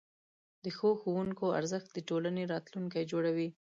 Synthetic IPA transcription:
d̪əxoxowuŋkoa̰ɾzəxt̪̚d̪əʈolaneɾɑt̪luŋkajd͡ʒoɽawi

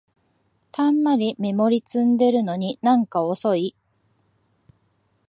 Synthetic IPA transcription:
t̪ãmːaɾʲime̞mo̞ɾʲit͡sɨ̃nd̪e̞ɾɯ̟no̞ɲ̟inãŋkao̞so̞i

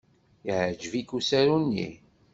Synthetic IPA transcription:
iʕd͡ʒvikusæɾunːḭ

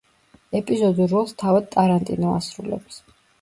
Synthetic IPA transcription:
ɛpʼizɔd̪uɾɔlˠst̪ʰavad̪̚t̪ʼaɾant̪ʼḭnɔa̰sɾulɛ̰ps

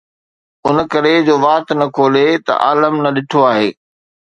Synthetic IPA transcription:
ʊn̆kɐɾed͡ʑoːʋaːt̪nɐkʰoːlet̪ɐ̰ʔa̰ːləmnɐɗɪʈʰoaːɦeː

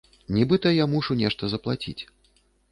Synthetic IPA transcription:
nʲibɨt̪ɐjamuʂunʲɛʂt̪ɐzɐplˠat͡sʲḭt͡sʲ

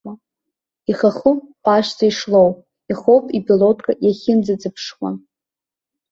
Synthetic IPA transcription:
a | iχaχuaʃt͡saiʂlowp | iχowpʼipʰilotʰkʼajaχʲɪnd͡zad͡zɨpʰʂχʷa̰n

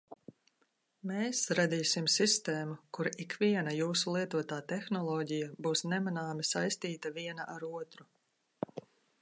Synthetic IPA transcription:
meːsɾad̪iːsimsist̪eːmukuɾikviɛnajuːsulˠiɛt̪uɔt̪aːt̪ɛxnɔlˠɔːɟijabuːsnɛmanaːmisajst̪iːt̪ɐviɛnɐʔaɾuɔt̪ɾu

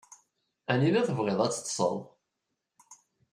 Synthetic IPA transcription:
æninæθəvʁeðˤæt͡sːə̥t̪ːˤsˤə̰ðˤ

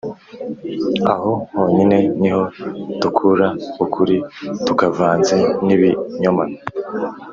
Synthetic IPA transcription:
a̰ho̞ho̞ːɲine̞niho̞dukʰuɾaukʰuɾitukavaːnzeniβiɲomano

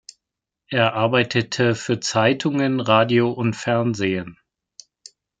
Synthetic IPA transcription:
ʔeːɐʔaɐbaɪtʰətʰəfyːɐt͡saɪtʰʊŋənʁaːdioʔʊntfɛɐnzeːən

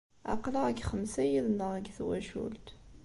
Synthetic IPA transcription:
ɑ̰qləʁəɡχəmsæjiðnəʁəɡθwæʃṵlt̪

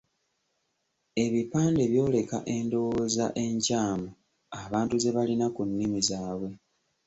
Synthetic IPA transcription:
e̞βipaːnde̞βjo̞ːle̞ka̰ʔe̞ndo̞woza̰ʔe̞ɲcaːmo | aβaːntuze̞βalinakunːimizaːβwe̞

